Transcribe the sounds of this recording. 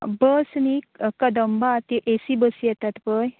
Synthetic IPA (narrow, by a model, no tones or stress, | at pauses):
bəsmikəd̪əmbat̪iʔesibəsijɛt̪at̪pəj